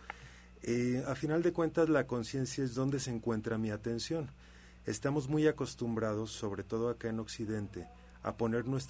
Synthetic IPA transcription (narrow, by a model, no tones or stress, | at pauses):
eafinald̪e̞kwe̞nt̪azlako̞nsje̞nsjaezðo̞nd̪e̞seŋkwe̞nt̪ɾamiat̪e̞nsjo̞n | e̞̰st̪amo̞zmujako̞st̪umbɾað̞o̞sːo̞β̞ɾe̞t̪o̞ð̞o̞akae̞no̞ksiðe̞nt̪e̞ | a̰po̞ne̞ɾnwe̞st̪